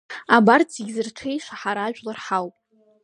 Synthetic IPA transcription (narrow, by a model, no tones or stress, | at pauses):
abart͡sʰiɡʲzɨrtʰejʂaħaɾaːʒᶣʷʼlarħawpʼ